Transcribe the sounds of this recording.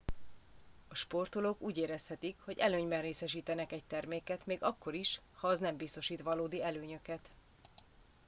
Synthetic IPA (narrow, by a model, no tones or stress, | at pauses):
ɒʃpo̞rt̪olokuːɟeːɾɛshɛt̪ikho̞ɟɛløːɲbɛnreːsɛʃiːt̪ɛnɛkɛc̚t̪ɛrmeːkɛt̪meːɡɒkːo̞ɾiʃ | hɒːznɛmbist̪o̞ʃiːt̪ʋɒloːd̪iɛløːɲø̞kɛt̪